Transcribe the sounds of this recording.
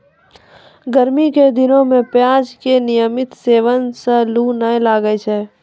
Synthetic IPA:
ɡəɾmiked̪ɪnõmẽpjaːd͡ʒkenɪjəmɪt̪seːʋənsəlunəẽlaːɡəjt͡ʃʰɛː

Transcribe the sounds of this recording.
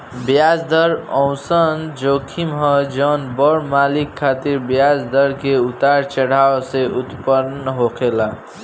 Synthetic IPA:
bjad͡ʒd̪əɾɔ̃ʊ̃sənd͡ʒokʰimɦʌ̃d͡ʒənbəɽmalikʰːat̪iɾbjad͡ʒd̪əɾkeut̪aɾt͡ʃəɽ̤awseʔut̪pəɾnəɦokʰela

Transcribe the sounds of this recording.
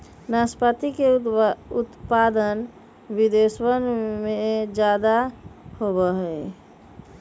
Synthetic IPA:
naspat̪ikeut̪pad̪ən | bid̪eswənmed͡ʒad̪ahoβəɦə

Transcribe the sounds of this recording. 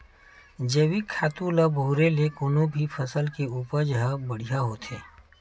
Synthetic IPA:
d͡ʒəwikʰːaːt̪ulabʱuːɾelekʊnõbʱipʰəsəlkeuːpəɾd͡ʒəɦəbəɽ̤ijaɦot̪ʰeː

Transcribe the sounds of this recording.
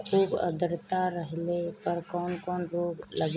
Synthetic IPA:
xuːbə̰d̪əɾt̪aɾəɦlepəɾkɔːnkɔːnɾoːɡləɡ

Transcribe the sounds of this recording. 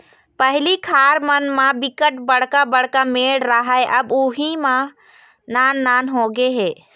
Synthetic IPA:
pəɦɪlikʰaɾmənmãbɪkəʈbəɽ̤kabəɽkameɽɾəɦaeʔəbuɦimã | naːnːaːnɦoɡeɦeː

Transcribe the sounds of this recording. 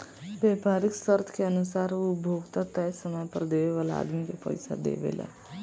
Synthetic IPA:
beːpaːɾiksəɾt̪ʰkeənusaːɾubʱoːɡt̪at̪ɛsəməjpəɾd̪eʋeʋaːlaa̰ːd̪mikepə̰ɪsa̰d̪ḛːʋḛla̰

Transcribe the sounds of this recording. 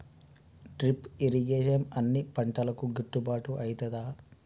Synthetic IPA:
ɖɾipiɾiɡeːʂɐnɐnːipɐɳʈɐlɐkuɡiʈːubaːʈuʔɐjt̪ɐd̪aː

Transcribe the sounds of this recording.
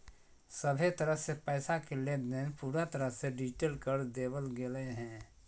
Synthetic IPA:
səbʱet̪əɾəɦsepɛːsakelebneːnpuːɾat̪əɾəɦseɖid͡ʒʈeːlkəɾd̪eːwəlɡeleɦɛ̃ː

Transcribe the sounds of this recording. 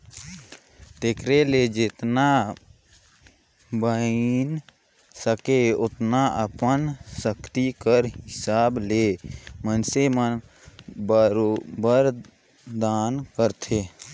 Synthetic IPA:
t̪ekɾeled͡ʒɪt̪na | bəin | səkeʊt̪naʔəpənsəkt̪ikəɾɦɪsaːblemənsemən | bəɾobəɾ | d̪aːnkəɾt̪ʰeː

